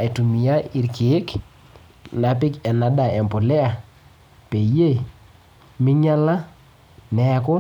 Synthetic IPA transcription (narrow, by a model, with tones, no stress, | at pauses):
e˨tu˨mi˨a˦i˨ɾki˨e˦k | na˨p̬ɪ˦kɛ˨na˨ɗa˨ɛ˨mpo˨lɛ˦a˨ | pe˨˦e˦˨ | mɪ˦ɲa˦la˦ | nɛ˨kɔ˦